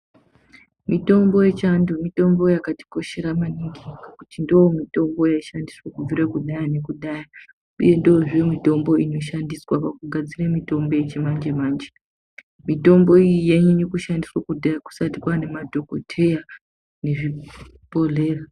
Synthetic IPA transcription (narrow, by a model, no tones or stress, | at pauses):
mito̞mbo̞je̞t͡ʃandomito̞mbo̞jakati̥ko̞ʃe̞ɾamaniŋɡikakutindowomito̞mbo̞jaiʃandiswakub͡viɾakuɗajane̞kuɗaja | uje̞ndooʐijomito̞mbo̞ino̞ʃandiswapakuɡʱad͡ziremito̞mbo̞jet͡ʃemand͡ʒemaːnd͡ʒe | mito̞mbo̞ijijeɲujekuʃandiswakudajaku̥satikwane̞madʱo̞ko̞̰tʰe̞ja | ne̞ʐi | po̞ɮe̞ːra